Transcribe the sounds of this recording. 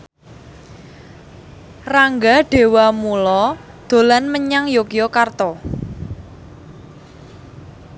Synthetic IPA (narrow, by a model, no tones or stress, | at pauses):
raŋɡaɖ̥e̤wamulɔ | d̪̥o̤lanməɲaŋjokjɔkart̪ɔ